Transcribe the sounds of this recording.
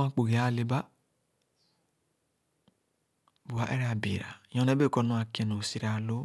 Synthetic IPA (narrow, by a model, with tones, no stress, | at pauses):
a˦k͡po˨ɡe˨a˦˨le˨ba˦ | bu˨a˨˦ʔɛ̰˦ɾe˦a˨bi˨ɾa̰˨jɔ̃˨˦nɛ˦be˦˨kɔ˦nũ˦a˨kɛ˨no˨si˦ɾa˨lo˦